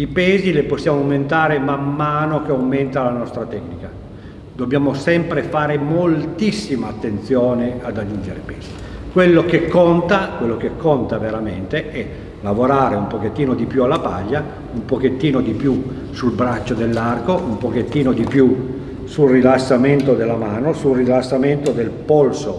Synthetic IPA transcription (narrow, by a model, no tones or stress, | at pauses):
ipɛːzileposːjaːmoawment̪aːɾemamːaːnokeawment̪alanɔst̪ɾat̪ɛknika | d̪obːjaːmosɛmpɾefaːɾemolt̪isːimaːt̪ːent̪sjoːnead̪ad͡ʒund͡ʒeɾḛpɛːz̥i | kwelːokekːont̪akwelːokekːont̪aveɾament̪eɛ | lavoɾaːɾeumpoket̪ːiːnod̪ipjualːapa̰ʎːa | umpoket̪ːiːnod̪ipju | sulbɾat͡ʃːod̪elːarkoʔumpoket̪ːiːnod̪ipju | sulrilasːament̪od̪elːamaːnosulrilasːament̪od̪elpolso